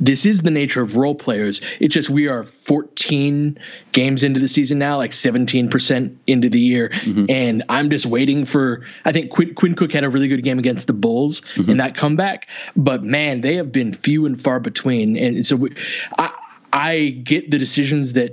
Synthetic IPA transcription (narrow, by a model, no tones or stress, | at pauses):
ðɪsɨzðɨneɪt͡ʃə˞ʌvɹoʊlˠpʰl̥eɪə˞z̥ɨtsd̥ʒ̥ʌst̚wiə˞fɔɹtʰĩnɡ̥ẽɪ̃mzɪ̃ntʉðɨsizɨ̃nːaʊlaɪksɛvɨ̃ntʰĩnpʰə˞sɛ̃ntɪ̃ntʉðɨjɪɹɨ̃nã̰ɪ̃md͡ʒʌst̚weɪɾɪ̃ŋfə˞aɪθɪ̃ŋkʰw̥ɪ̃kʰw̥ɪ̃nkʰʊkhɨɾɨɹɪlˠiɡʊd̚ɡẽɪ̃mɨɡɛ̃nst̪̚ðəbʊlˠz̥ɨ̃nðɨt̚kʰʌ̃mbækb̥ʌt̚mæ̃nðeɪɨvbɨ̃nfjʉə̃nfɑɹbɨtʰw̥ĩnɨ̃nsoʊaɪ | ʔaɪɡɛt̪̚ðɨɾɨsɪʒɨ̃nzðɨt̚